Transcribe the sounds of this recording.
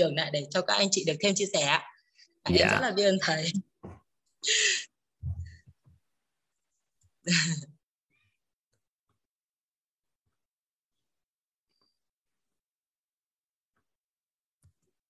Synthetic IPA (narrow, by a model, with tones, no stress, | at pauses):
ɨ˨˩əŋna̰ː˧˨jɗe˧˩t͡ɕɔ˧kaː˦˥k̚ʔa˧jŋ̟t͡ɕḭ˧˨ɗɨ˨˩ək̚t̪ʰe˧mt͡ɕi˧sɛ˧˩a̰ː˧˨ | ʔaː˧˩ʔa˧zə˦˧˥t̚laː˨˩ɓi˧ʔə˧nt̪ʰə˨˩˦j